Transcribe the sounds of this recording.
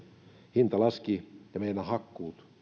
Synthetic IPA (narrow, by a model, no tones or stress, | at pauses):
hint̪ɑlɑskijɑmeinæhɑkːuːt̪